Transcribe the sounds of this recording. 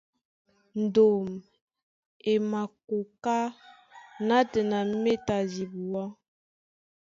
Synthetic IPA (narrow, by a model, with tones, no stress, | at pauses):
n̩˨do˨m | e˨ma˨ko˨ka˦ | na˦tə˨na˨˦me˦ta˨zi˨bu˨wɔ˦